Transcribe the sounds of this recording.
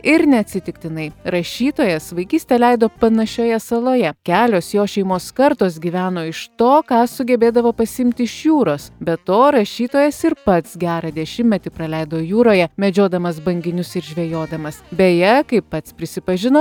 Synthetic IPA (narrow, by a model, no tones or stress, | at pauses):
ɪɾnʲɛɐt̪ʲsʲɪt̪ʲɪkt̪ʲɪnɐɪɾɐʃʲiːt̪oːjɛsʋɐɪkʲiːsʲt̪ʲɛlʲɛɪd̪oːpɐnɐʃʲoːjɛsɐlˠoːjɛkʲæːlʲoːsjoːʃʲɛɪmoːskɐɾt̪oːsɡʲiːʋʲæːnoːɪʃt̪oːkɑːsʊɡʲɛbʲeːd̪ɐʋoːpɐsʲɪmʲt̪ʲɪɪʃjuːɾoːsbʲɛt̪oːɾɐʃʲiːt̪oːjɛsɪɾpɐt̪sɡʲæːɾɑːd̪ʲɛʃʲɪmʲmʲɛt̪ʲɪpɾɐlʲɛɪd̪oːjuːɾoːjɛmʲɛd͡ʒʲoːd̪ɐmɐsbɐŋʲɡʲɪnʲʊsɪɾʒʲʋʲejoːd̪ɐmɐsbʲɛjɛkɐɪppːɐt̪spʲɾʲɪsʲɪpɐʒʲɪnoː